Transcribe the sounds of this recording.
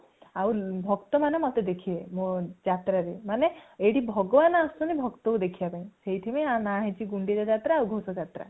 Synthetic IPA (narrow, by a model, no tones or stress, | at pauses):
awbʱɔkt̪ɔmanemɔt̪ed̪ekʰiemod͡ʒat̪ɾaɾemaneeɽibʱɔɡɔʋanɔast̪ɔnibʱɔkt̪ɔud̪ekʰibapaĩseɦiʈ̪ʰimeãnaɦet͡ʃʰiɡuɳɖid͡ʒad͡ʒat̪ɾaːwɡʱosɔd͡ʒat̪ɾa̰